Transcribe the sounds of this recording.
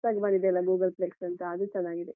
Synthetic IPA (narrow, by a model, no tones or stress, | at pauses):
saːɡbaːnid̪eɐlːɐɡuːɡɐlpleːksɐnt̪ɐːd̪ut͡ʃɐnːaːɡid̪e